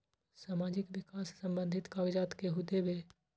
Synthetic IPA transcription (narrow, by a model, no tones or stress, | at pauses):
saːmaːd͡ʒɪkʋɪkaːsːə̃mbə̃nd̪ʱɪt̪kaːɡd͡ʒaːt̪keɦʊd̪ːebe